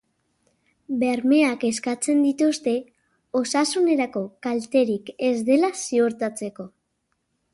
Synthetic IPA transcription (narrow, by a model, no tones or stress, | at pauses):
be̞ɾme̞ake̞skat͡se̞nd̪it̪ust̪e̞ | o̞sasune̞ɾako̞kalt̪e̞ɾike̞zd̪e̞lasio̞ɾt̪at͡se̞ko̞